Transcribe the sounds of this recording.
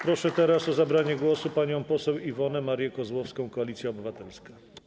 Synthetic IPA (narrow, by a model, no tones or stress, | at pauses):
pɾɔʂɛt̪ɛɾasɔzabɾaɲɛɡwɔsupaɲɔ̃w̃pɔsɛwivɔnɛmaɾjɛkɔzwɔfskɔ̃w̃kɔalʲit̪sʲjaɔbɘvat̪ɛlska